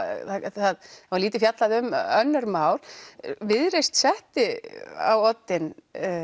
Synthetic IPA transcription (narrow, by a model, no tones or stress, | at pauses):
θaθaðθavaɾliːt̪ɪfjat̪laðʏmœnːʏɾmaːwɾ̥vɪðɾejst̪sɛht̪ɪa̰wɔt̪ːɪn